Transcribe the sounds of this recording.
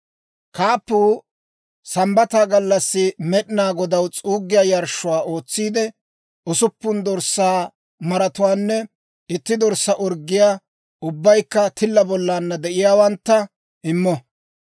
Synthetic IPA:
kʰaːpːuː | sɐmbɐt̪aːɡɐlːɐsːɪmɛɗɪnaːɡɔd̪ɐwt͡sʼuːɡːɪjaːjɐɾʃʊwaːʔo̞ːt͡sːiːd̪ɛ | ʊsʊpːʊnd̪ɔɾsːaː | mɐɾɐt̪ʊwaːnːɛ | ɪt̪ːɪd̪ɔɾsːɐʔɔɾɡːɪjaː | ʊbːɐjkːɐt̪ʰɪlːɐbɔlːaːnːɐd̪ɛʔɪjaːwɐnt̪ːɐ | ʔɪmːɔ

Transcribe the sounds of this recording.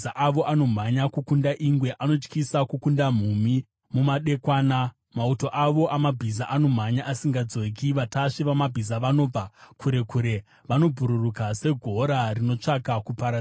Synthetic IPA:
aʔaʋo̞ʔano̞m̤aɲakukundaʔiŋɡwe̞ʔano̞t͡ʃkisakukundam̤umi | mumaɗe̞kwaːna | mauto̞ʔaʋo̞ʔamabʱizaʔano̞m̤aɲaʔasiŋɡad͡zo̞k̬iʋataʂiʋamabʱizaʋano̞ːb͡vakuɾe̞kuɾe̞ | ʋano̞bʱuɾurukase̞ɡʱo̞ɾarino̞t͡ʂakakupaɾa

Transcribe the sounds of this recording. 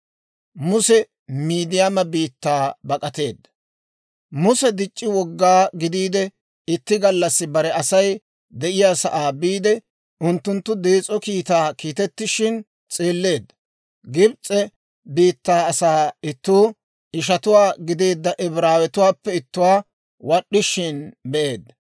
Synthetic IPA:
mʊsɛ | miːd̪ɪjaːmɐbiːt̪ːaːbɐkʼɐt̪e̞ːd̪ːɐ̥ | mʊsɛd̪ɪt͡ʃʼːɪwɔɡːaːɡɪd̪iːd̪ɛ | ɪt̪ːɪɡɐlːɐsːɪbɐɾɛɐsɐj | d̪ɛʔɪjaːsɐʔaːbiːd̪ɛ | ʊnt̪ːʊnt̪ːʊd̪eːt͡sʼːɔkiːt̪aːkiːt̪ɛt̪ːɪʃɪn | t͡sʼeːlːe̞ːd̪ːɐ̥ | ɡɪbt͡sʼɛ | biːt̪ːaːɐsaːɪt̪ːuː | ʔɪʃ̬ɐt̪ʊwaːɡɪd̪e̞ːd̪ːɐʔɛbɾaːwɛt̪ʊwaːpːɛɪt̪ːʊwaː | wɐɗːɪʃɪnbɛʔe̞ːd̪ːɐ

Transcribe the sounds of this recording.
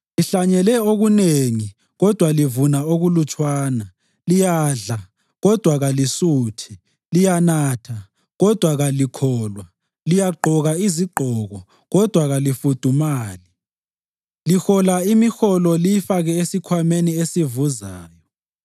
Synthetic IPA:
liɬaɲɛlɛoɣuneŋi | ɣɔd̥ʱwalivunaoɣulut͡ʃʼwaːna | lijaːɮa | ɣɔd̥ʱwaɣalisuːtʰi | lijanaːtʰa | ɣɔd̥ʱwaɣalikʰɔːlwa | lijaɡ͡ǃʱɔɣaiziǃʱɔɣɔ | ɣɔd̥ʱwaɣalifud̥ʱumaːli | lixɔlaimixɔlɔlijifaɣɛesikʰwameniesivuzaːjɔ

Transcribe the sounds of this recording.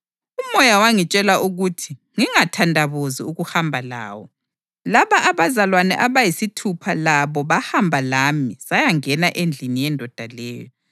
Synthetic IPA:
umɔjawaŋit͡ʃʼɛlaʔuɣutʰiŋiŋatʰandʱaβoziuɣuhambʱala̰ːwɔ | laβaʔːβazalwanɛ̰ʔaβajisitʰupʰalaβɔβahambʱalamisajaŋɛnaʔend͡ɮʱinijɛndʱɔd̥ʱalɛːjɔ

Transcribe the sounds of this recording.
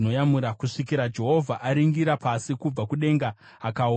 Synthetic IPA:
no̞jamuɾakuʂikiɾad͡ʒe̞ɦo̞vʱaʔaɾiŋɡiɾapasikub͡vakuɗe̞ŋɡaː | kao

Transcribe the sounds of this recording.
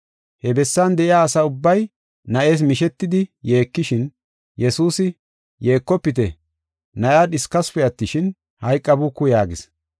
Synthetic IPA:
hɛbɛsːaːnd̪ɛʔɪjaːsɐʊbːɐj | nɐʔe̞ːs̬mɪʃɛt̪ːɪd̪ɪje̞ːkːɪʃɪn | jɛsuːsɪ | je̞ːkːɔpːɪt̪̬ɛ | nɐʔjaːɗɪskɐspɛjɐt̪ːɪʃɪn | hɐjkʼːɐbukːʊjaːɡɪs

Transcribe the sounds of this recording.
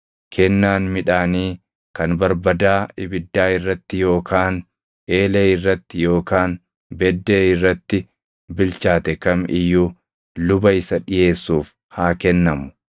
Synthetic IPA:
kʰɛnːaːnmɪᶑaːniː | kɐnbɐɾbɐd̪aːɪbɪd̪ːaːɪrːɐt̪ːɪjo̞ːkʰaːn | ʔe̞ːleːɪrːɐt̪ːɪjo̞ːkaːn | bɛd̪ːe̞ːɪrːɐt̪ːɪ | bɪlt͡ʃaːt̪ɛkɐmɪjːuː | lʊbɐɪsɐᶑɪje̞ːsːuːf | haːkɛnːɐmʊ̥

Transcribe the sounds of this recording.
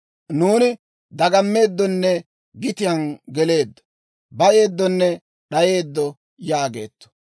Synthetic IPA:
nuːnɪ | d̪ɐɡɐmːe̞ːd̪ːɔnːɛ | ɡɪt̪ɪjɐnɡɛle̞ːd̪ːɔ̥ | bɐje̞ːd̪ːɔnːɛ | ɗɐje̞ːd̪ːɔ | jaːɡe̞̰ːt̪ːɔ̥

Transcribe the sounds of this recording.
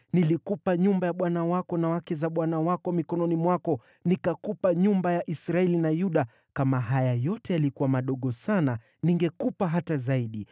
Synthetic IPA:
nilikupaɲumbajaɓwanawakɔnawakɛzaɓwanawakɔmikɔnɔnimwakɔ | nikakupaɲumbajaʔisɾaɛlinajuɗa | kamaɦajajɔtɛjalikuwamaɗɔɠɔsana | niŋɡɛkupaɦatazaiɗi

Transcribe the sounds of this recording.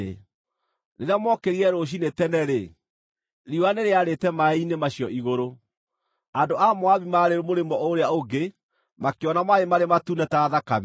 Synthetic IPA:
ɾeɾeamwɔkeɾiɛɾoɕ̬inetɛnɛɾe | ɾiwaneɾeaɾetɛmainemaɕjɔʔiɣoɾo | andoʔamoaβimaɾeɾomoɾemɔoɾeaoɡe | makeɔnamaemaɾematunɛtaːðakam

